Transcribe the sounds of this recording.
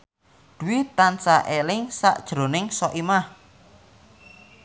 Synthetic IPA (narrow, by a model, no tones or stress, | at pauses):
d̪̥uwit̪ansaʔelɪŋsa̰ʔd̥ʒ̥ɾo̤nɪŋsɔʔimah